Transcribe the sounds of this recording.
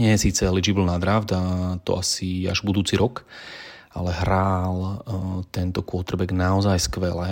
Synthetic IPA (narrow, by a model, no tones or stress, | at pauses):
ɲɪɛjɛsiːt͡sɛlid͡ʒibilˠnad̪ɾawd̪at̪ɔ̰asia̰ʒbud̪uːt͡siɾɔk | a̰lɛɦɾaːlt̪ɛnt̪ɔkʊɔt̪r̩bɛɡnaɔzajskʋɛlɛ